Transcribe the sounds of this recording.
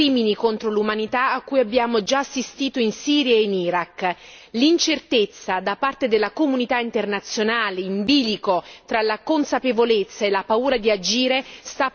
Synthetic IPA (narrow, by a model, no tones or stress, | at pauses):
iːminikont̪ɾolumanit̪aːkːujabːjaːmod͡ʒaːsːist̪iːt̪oinsiːɾjaeiniɾakː | lint͡ʃert̪et̪sːad̪apart̪ed̪elːakomunit̪aint̪ernat̪sːjonaːleimbiːlikot̪ɾalakonsapevolet̪sːaelːapauːɾad̪iad͡ʒiːɾest̪a